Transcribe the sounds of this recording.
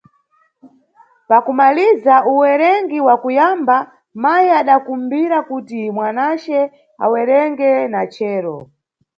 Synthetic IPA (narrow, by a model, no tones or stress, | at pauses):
pakumalizauwɛɾɛŋɡiwakujamba | majiaɗakumbiɾakutimwanat͡ʃɛ | a̰wɛɾɛŋɡɛnat͡ʃɛːɾɔ